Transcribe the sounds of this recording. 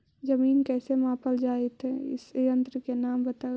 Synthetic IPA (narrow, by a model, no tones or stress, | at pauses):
d͡ʒəmiːnkɛːsemãːpəld͡ʒaːet̪ʰɦɛɪ̰sjə̃nt̪ɾəkenaːmbət̪a